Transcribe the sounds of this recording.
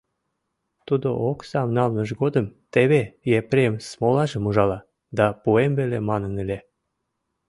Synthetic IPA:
t̪ud̪oʔoksɑmnɑlnəʒɡod̪əmt̪eβejepɾemsmolɑʒə̆muʒɑlɑ | d̪ɑpuembelemɑnənele

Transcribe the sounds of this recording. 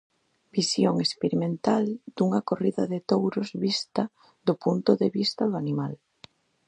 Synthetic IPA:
bisjoŋespeɾimẽnt̪ald̪̥uŋakoriðaðet̪owɾozβist̪a | ðopunt̪oðeβist̪ɐðoanimal

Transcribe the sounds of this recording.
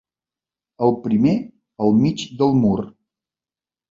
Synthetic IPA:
əlˠpɾime | əlˠmid͡ʒd̪əlˠmur

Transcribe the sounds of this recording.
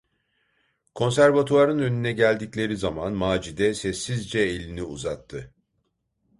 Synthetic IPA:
kʰo̞nsæɾvat̪ʰuaɾɯnønynɛɟælʲd̪iclʲe̞ɾizamanmaːd͡ʒid̪ɛsɛsːizd͡ʒɛelʲiniṵzat̪ʰːɯ

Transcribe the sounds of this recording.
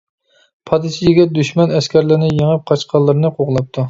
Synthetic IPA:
pʰɑd̪ɨsijeɡʲɛt̪̚d̪yʃmɛnɛskʲɛɾlɪɾnɪjeŋɨp̚qʰɑt͡ʃqʰɑlˠːɨɾɨnɨqʰoʁlˠɑp̚t̪ʰu

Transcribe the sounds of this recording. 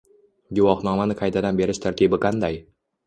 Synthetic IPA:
ɡʊwɒhnɒmanɪqʰajt̪ʰad̪anbe̞ɾɪʃt̪ʰaɾt̪ʰibɪqʰɑnd̪aj

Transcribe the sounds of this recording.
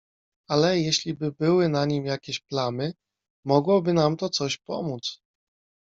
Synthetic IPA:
alɛjɛɕlʲibɘbɘwɘnaɲimjakʲeɕplanɘ | mɔɡwɔbɘnamt̪ɔt̪sɔɕpɔ̰mut̪s

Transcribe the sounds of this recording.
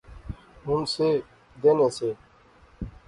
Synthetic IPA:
ɦʊnseː | d̪eːneːseː

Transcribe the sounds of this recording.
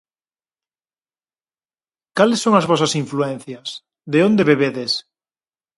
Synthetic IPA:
kalesːõŋazβosasiɱfluɛn̟θjas | ðeõnd̪eβeβeðes

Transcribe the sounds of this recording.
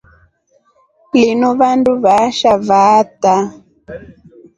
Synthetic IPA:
plinuβanduβaʃavata

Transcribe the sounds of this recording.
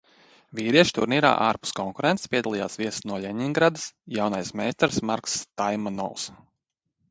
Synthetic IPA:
viːɾiɛʃt̪ṵɾniːɾa̰ːʔaːɾpu̥skɔŋkuɾent̪spʲiɛd̪alˠija̰ːsviɛsnuɔlʎʲeɲiŋɡɾad̪ɨsjawnajsmɛjst̪ɾsmaɾkst̪ajmanɔ̰lˠs

